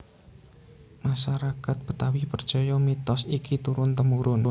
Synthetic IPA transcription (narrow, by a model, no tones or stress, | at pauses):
maʃaɾakat̪̚b̥ət̪awipər̥d͡ʒ̥ɔjɔmit̪ɔsikit̪uɾʊnt̪əmuɾʊn